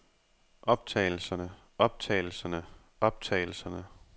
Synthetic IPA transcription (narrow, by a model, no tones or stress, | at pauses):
ʔɒ̽b̥̚t͡sʰɛ̰ːɪl̩sɐnə | ɒ̽b̥̚t͡sʰɛ̰ːɪl̩sɐnə | ɒ̽b̥̚t͡sʰɛ̰ɪl̩sɐnə